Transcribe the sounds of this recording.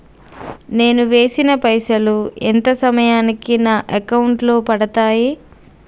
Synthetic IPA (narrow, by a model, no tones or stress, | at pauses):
ne̞ːnuʋe̞ːsinɐpɐjsɐluent̪ɐsɐmɐjaːnikinaːʔɐkɐwuɳʈlo̞ːpɐɽɐt̪aːji